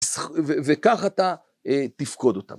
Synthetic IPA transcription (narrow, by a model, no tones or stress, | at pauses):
svevekaχat̪a | et̪ifko̞d̪o̞t̪a̰